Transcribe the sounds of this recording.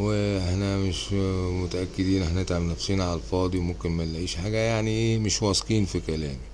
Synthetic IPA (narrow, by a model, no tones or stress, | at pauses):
weʔeħnæmeʃmot̪æʔækːed̪iːnʔeħnænet̪ʕabnæfsiːnʕaælfɑːd̪ˤimomkenmælːʕiːʃħaːɡæjaʕniʔeːmeʃwɑsˤqiːnfikælæːmi